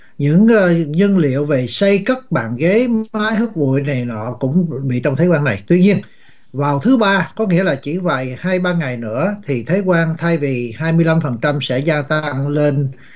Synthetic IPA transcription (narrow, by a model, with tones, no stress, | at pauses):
ɲɨ̰˧˥ŋː˧ɲə˧nlḭ˧˨əwve˨˩sa˧jkə˦˥t̚ɓa̰ː˧˨nɣe˨˦aː˨˦jɦɨ˦˥k̚vṵ˧˩˨jna˨˩jnɔ̰˧˨kʊ̰˧˥ŋ͡mɓḭ˧˨t͡ɕɔ˧wŋ͡mt̪ʰeː˨˦jkwaː˧na˨˩jt̪wi˧ɲi˧ən | vaː˨˩wt̪ʰɨ˨˦ɓaː˧kɔ˨˦ŋḭ˧˥əlaː˨˩t͡ɕḭ˧˩va̰˧˨jhaː˧jɓaː˧ŋa˨˩jnɨ̰˧˥ət̪ʰi˨˩t̪ʰe˨˦jkwaː˧nt̪ʰaː˧jvi˨˩haː˧jmɨ˧əjla˧mfə˨˩nt͡ɕa˧msɛ̰˧˥zaː˧t̪a˧ŋle˧n